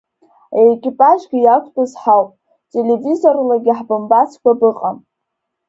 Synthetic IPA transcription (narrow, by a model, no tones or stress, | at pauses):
ekʲʼipʼaʒɡʲijakʷʰʼpʼazħawpʼ | tʼelevizo̞rlaɡʲiħbɨmbat͡sʰkʷabɨqʼam